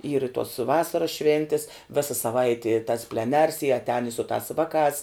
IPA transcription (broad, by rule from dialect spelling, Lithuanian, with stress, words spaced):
iːr ɪ tuɔs ˈʋɑːsɐrɐs ˈʃʲʋʲeːnʲtʲɪs ˈʋʲɪsɐ sɐˈʋɐɪtʲɪ tɐs pʲlʲɛˈnʲɛrs ɪ ɐtʲˈɛːn ɪ sʊ tɑːs ˈʋɑːˌkɑːs